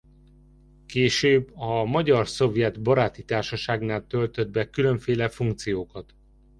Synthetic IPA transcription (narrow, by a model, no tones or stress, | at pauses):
keːʃøːbːɒmɒɟɒrso̞vjɛd̪bɒɾaːt̪it̪aːrʃɒʃaːɡnaːlt̪ølt̪ød̪̚bɛkylø̞ɱfeːlɛfuŋk̚t̪sijoːkɒt̪